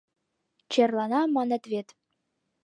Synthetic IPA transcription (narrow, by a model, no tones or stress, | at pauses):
t͡ɕerlˠɑnɑmɑnɘ̆t̪vʲet̪